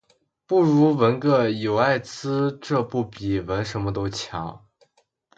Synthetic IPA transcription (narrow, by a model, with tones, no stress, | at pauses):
pu˥˩ɻu˧˥wə˧˥nkɤ˥˩jo˨˩ʊa˥˩ɪt͡sɹ̩˥ʈ͡ʂɤ˥˧pu˥˩pi˨˩wə˧˥nʂə˧˥nmə˧t̪o˥ʊt͡ɕʰjɑ̰˧˥ŋ